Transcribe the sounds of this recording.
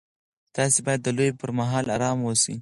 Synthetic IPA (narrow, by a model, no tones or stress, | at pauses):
t̪ɑsebɑjad̪ːəlojpəɾmaɦɑlaɾɑmwosḭ